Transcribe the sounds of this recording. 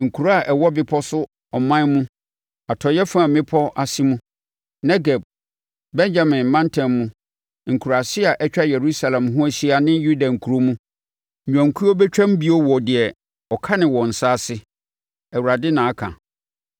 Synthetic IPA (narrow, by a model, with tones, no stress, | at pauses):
ŋ̩˨kʰu˨ɾa˨ʔɛ˨wɔ˦bɪ˦pʰɔ˦sʊ˦ | ɔ˨mã˦nmũ˦ | a˨tʰɔ˨jɛ˦fã˦˨mɪ̃˦pʰɔ˦ʔa˨si˦mũ˦ | nɛ˦ɡɛ˨b̚ | bɛ̃˦ɲd͡ʑa˨mɪ̃˨mːã˦ntʰɛ̃˨mːũ˦ | ŋ̩˨kʰu˨ɾa˨sɪ˦a˨ʔɛ˦t͡ɕᶣa˦jɛ˨ɾu˦sa˨lɛ̃˨mɦʊ̃˦æ˦ɕi˦a˨nɪ̃˦nju˦da˨ŋ̩˨kʰu˨ɾo˦mũ˦˨ | ã˨ŋ˨kʰu˦o˦bɛ˦t͡ɕᶣã˦m˦bi˨o˦wɔ˨dɪ˨ɛ˨ | ɔ˨kʰa˦nɪ̃˨wɔ̃˨n̩˨sa˦˨sɪ˦ | æ˨wu˨ɾa˨dɪ˦nã˨a˦kʰã̰˨